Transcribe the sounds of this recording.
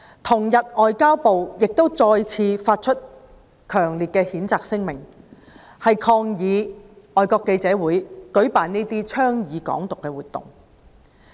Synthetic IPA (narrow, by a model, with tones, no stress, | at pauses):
t̪ʰʊ˨˩ŋjɐ˨t̚ɔː˨jkaː˥wpo˨wjɪ˨k̚t̪o˥wt͡sɔː˧jt͡sʰiː˧faː˧t̚t͡ʃʰt̚ | kʰœː˨˩ŋliː˨t̚kɛː˧hiː˨˥nt͡saː˨k̚sɪ˥ŋmɪ˨˩ŋ | hɐ˨jkʰɔː˧ŋjiː˨˧ | ɔː˨jkɔː˧kːe˧jt͡sɛː˨˥wuː˨˥jkɵ˨˥ɥpaː˨niː˥t̪iː˥t͡ʃʰœː˥ŋjiː˨˧kɔ̰ː˨˥ŋt̪ʊ˨kːɛ˧wuː˨˩t̪̚ʊ̰˨˩ŋ